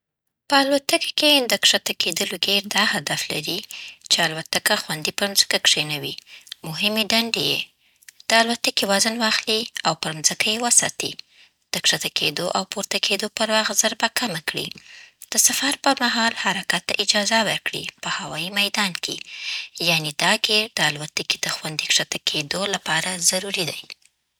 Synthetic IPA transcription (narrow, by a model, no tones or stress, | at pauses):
pəalwat̪əkḁked̪əkʂat̪aked̪əloɡeɾd̪ɑhad̪afla̰ɾit͡ʃealwat̪akaxwand̪ipəɾnzə̥kakʂenawimʊɦɪmeɖaɳɖeje | d̪̥əalwat̪əkewazənwɑxliawpəɾmzəkajewəsɑt̪ḭ | d̪̥əkʂat̪akʰed̪oʔawpuɾt̪akʰed̪opəɾwɑɣzaɾbakʰamakɽḭd̪̥əsafaɾpəɾmaɦɑlhaɾakat̪ːa̰ʔɪd͡ʒɑzawəɾkɽḭpəhawɑjimajd̪ɑnkʰḛjaned̪ɑɡed̪̥əalwat̪əkid̪̥əxwand̪ikʂat̪akʰed̪olapɑɾazaɾuɾid̪aj